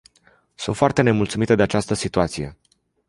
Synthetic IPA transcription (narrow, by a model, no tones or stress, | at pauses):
sunt̪foart̪e̞ne̞mult̪sumit̪əd̪e̞at͡ʃast̪əsit̪uat̪sije̞̰